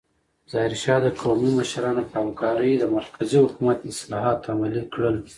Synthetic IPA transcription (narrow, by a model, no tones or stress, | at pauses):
z̥ɑɪɾʃɑd̪əkʰomiməʃɾɑnopəhamkɑɾəjd̪əmaɾkʰazihʊkumat̪ɪslɑɦɑt̪ːamalikɽəl